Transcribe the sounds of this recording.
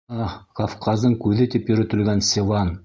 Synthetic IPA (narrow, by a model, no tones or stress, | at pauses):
ɑkʰofqʰɑzd̪əɴkʲʰɵðɪt̪epjɵ̆ɾɘt̪ɪ̆lɡʲænsʲelˠɑn